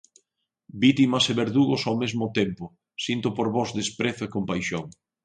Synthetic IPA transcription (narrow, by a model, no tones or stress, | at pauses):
bit̪imɐseβeɾðuɣosawmezmʊt̪empʊ | sint̪ʊpoɾβɔzðespɾeθʊekompajʃoŋ